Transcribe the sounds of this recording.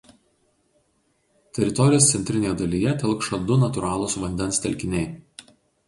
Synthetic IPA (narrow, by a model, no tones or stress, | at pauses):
t̪ʲɛɾʲɪt̪ɔɾʲɪjoːst̪sʲɛnʲt̪ʲɾʲɪnʲeːjɛd̪ɐlʲɪjɛt̪ʲɛlˠkʃɐd̪ʊnɐt̪ʊɾɑːlˠʊsʋɐnʲd̪ʲɛnˑst̪ʲɛlʲkʲɪnʲɛɪ